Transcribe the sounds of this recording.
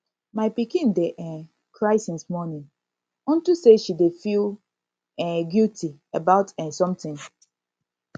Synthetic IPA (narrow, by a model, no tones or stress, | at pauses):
maɪpikĩndeʔɛ̃ | kʰɹaɪsĩnsmɔnĩn | ɔ̃ntuseʃidefil | ɛ̃ɡiltʰi | abaʊtɛ̃nsɔ̃mtɪ̃ŋ